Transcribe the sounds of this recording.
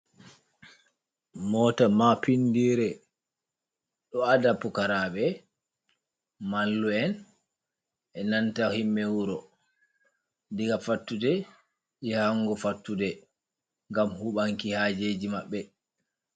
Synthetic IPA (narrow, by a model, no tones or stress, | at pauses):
mɔtamapindiɾɛ | ɗɔadapːɔkaɾaɓɛ | malːuɛn | ʔɛnantahimːɛwuɾɔ | diɡafatːudɛ | ɛhaŋɡɔfatːudɛ | ŋɡamhuɓaŋkihad͡ʒed͡ʒimaɓːɛ